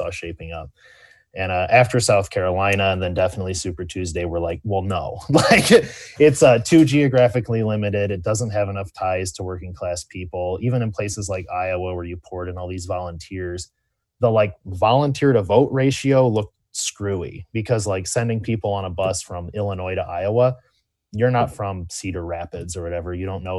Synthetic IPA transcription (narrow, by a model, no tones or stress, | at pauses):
sɔ̰ʃeɪpɪ̃ŋʌp̚ | ɨ̃nʌʔæftə˞saʊθkʰɛɹəlãɪ̃nəə̃nðɨ̃ndɛfənətˡlisʉpə˞tʰʉzdeɪwə˞laɪk̚wɛlˠnoʊlaɪkɪtsʌtʰʉd͡ʒiɨɡɹæfɨklilɪ̃mɨɾɪɾɨt̚d̥ʌzə̃nt̚ɦɨvɨnʌftʰaɪz̥tʰəwɜ˞kɪ̃ŋkʰl̥æspʰipl̩ˠivɨ̃ñɨ̃npʰl̥eɪsɨzlaɪkaɪəwɛlwə˞jɨpʰɔɹɾɨ̃nɔlˠðizvɑlˠə̃ntʰɪɹz̥ | ðəlaɪk̚vɑlˠə̃ntʰɪɹɾəvoʊʔɹeɪʃioʊlʊk̚ | skɹʉḭb̥ɨkʰʌzlaɪksɛ̃ndɪ̃ŋpʰipl̩ˠə̃nəbʌsfɹʌ̃mɪlˠənɔɪɾəʔa̰ɪoʊə | jə˞nətfɹʌ̃msiɾə˞ɹæpɨdzə˞wʌɾɛvə˞jɨɾõʊ̃nːoʊ